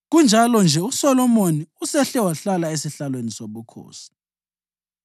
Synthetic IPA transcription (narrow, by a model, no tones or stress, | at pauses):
ɣund͡ʒʱalɔnd͡ʒʱɛusɔlɔmoniusɛɬɛwaɬalaesiɬalwenisoɓukʰo̰ːsi̥